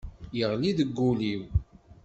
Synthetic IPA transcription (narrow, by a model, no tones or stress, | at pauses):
jəʁliðəɡːuliw